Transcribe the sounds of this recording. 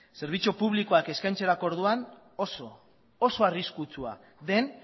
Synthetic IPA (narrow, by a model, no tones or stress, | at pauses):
se̞ɾβ̞it͡supuβliko̞ake̞skajnt͡se̞ɾakoɾð̞uan | oso | oso̞ariskut͡sua̰ | ðe̞n